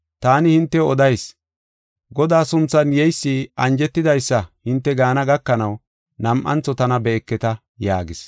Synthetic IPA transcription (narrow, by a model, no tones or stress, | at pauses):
t̪aːnɪhɪnt̪ːɛɔd̪ɐjs | ɡɔd̪aːsʊnt͡sːɐnjɛjsːiʔɐnd͡ʒɛt̪ːɪd̪ɐjsːɐhɪnt̪ːɛɡaːnɐɡɐkːɐnɐw | nɐmʔɐ̰nt͡sːɔt̪ɐnɐbɛɛkːɛt̪ɐ | ja̰ːɡɪs